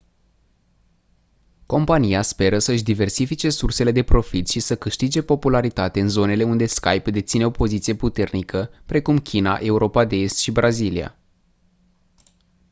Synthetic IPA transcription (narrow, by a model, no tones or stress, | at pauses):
ko̞mpanijaspe̞ɾəsəɨʃd̪ive̞rsifit͡ʃe̞surse̞le̞d̪e̞pɾo̞fit̪ʃisəkɨʃt̪id͡ʒe̞po̞pulaɾit̪at̪e̞ɨnzo̞ne̞le̞und̪e̞ska̰jpd̪e̞t̪sine̞o̞po̞zit̪sije̞put̪e̞rnikʰəpɾe̞kumkʲina̰ʔe̞uɾo̞pad̪e̞est̪ʃibɾʔazilia̰